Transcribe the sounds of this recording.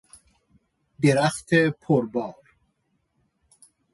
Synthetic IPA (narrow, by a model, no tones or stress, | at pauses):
d̪iɾaxt̪epʰoɾbɑːɾ